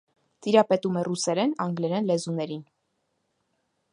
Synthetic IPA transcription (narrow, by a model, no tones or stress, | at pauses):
t̪iɾɑpɛt̪umɛrusɛɾɛnɑŋɡlɛɾɛnlɛzunɛɾin